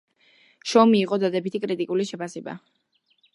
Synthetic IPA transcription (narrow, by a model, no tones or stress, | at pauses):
ʃɔmiːqʼɔd̪ad̪ɛbit̪ʰikʼɾit̪ʼikʼuliʃɛpʰasɛba̰